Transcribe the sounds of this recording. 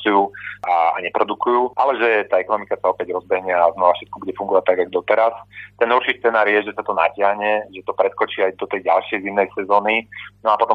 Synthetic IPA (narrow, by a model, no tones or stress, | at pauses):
t͡sujuːaa̰ɲɛpɾɔd̪ukujuːʔalɛʒɛt̪aːɛkɔnɔmikasaɔpɛɟɾɔzbɛɦɲɪaːznɔʋafʃɛt̪̚kɔbuɟɛfuŋɡɔʋat̪aɡaɡɔd̪ɔt̪ɛɾast̪ɛnuɾʃiːstt͡sɛnaːɾjɛʒɛsat̪ɔna̰cɪaɦɲɛʒɛt̪ɔpɾɛt̪kɔt͡ʃiːajd̪ɔt̪ɛjɟalʃɪɛjzimnɛjsɛzɔːninɔapɔt̪ɔ